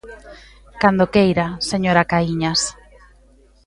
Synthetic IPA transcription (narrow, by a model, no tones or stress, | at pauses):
kand̪okejɾaseɲoɾakaiɲas